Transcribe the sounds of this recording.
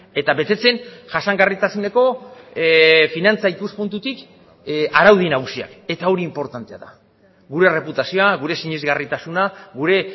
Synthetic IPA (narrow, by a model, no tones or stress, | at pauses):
e̞t̪aβe̞t̪e̞t͡se̞nʝasaŋɡarit̪asune̞ko̞ | finant͡saikuspunt̪ut̪ik | aɾawð̞inaɣ̞usia̰ke̞t̪ao̞ɾiːmpo̞ɾt̪ant̪e̞aða̰ | ɣuɾe̞re̞put̪asioaɣuɾe̞siɲezɣarit̪asunaɣuɾe̞